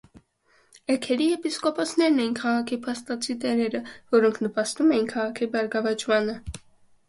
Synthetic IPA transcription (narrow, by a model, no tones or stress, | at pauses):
ɛkʰɛɾiɛpiskɔpʰɔsʰnɛɾnɛjinkʰɑʁɑkʰipʰɑst̪ɑt͡sʰit̪ɛɾɛɾəvɔɾɔŋkʰnəpɑst̪umɛjinkʰɑʁɑkʰibɑɾɡɑvɑt͡ʃʰmɑnə